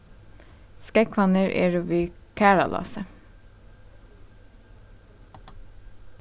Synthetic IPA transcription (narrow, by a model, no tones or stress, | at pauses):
skɛkʰʋɑnəɹʔḛːɹuʋiːkʰæːɹɑ̰lʔɑ̰ːsə